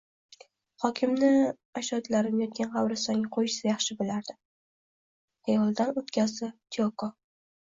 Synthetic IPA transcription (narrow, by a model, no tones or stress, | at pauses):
hɒkʲʰɪmnɪ | aʃɒt̪laɾɪnjɒt̪̚ɡʲanʁɑwɾɪsɒŋʲaqʰojɪ̥sajɑχʃɪbɪlaɾd̪̥ɪ | hejɒlˠd̪anot̪kʲazd̪ɪp̚t̪ʰioko